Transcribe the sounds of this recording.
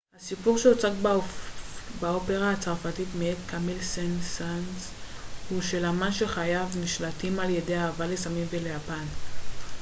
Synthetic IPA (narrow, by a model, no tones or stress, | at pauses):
hasipuʁʃeot͡saɡ | bao̞pe̞ʁahat͡saʁfatitmeetkamilsensanzshuʃe̞lamanʃe̞χajavniʃlatimalje̞de̞jaːvalesamimvelejapan